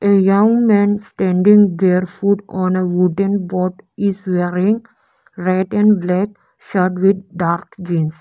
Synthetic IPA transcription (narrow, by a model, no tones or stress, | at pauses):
ejʌ̃ŋɡmɛ̃ːnsʈɛ̃ɳɖĩŋɡbeːɾfuʈɔ̃ːneʋuɖə̃nbɔːʈɪzʋeːɾɪ̃ŋɡ | ɾaɪʈɛ̃ɳblɛk | ʃʌɾʈʋɪd̪̚ɖaːɾkd͡ʒĩːns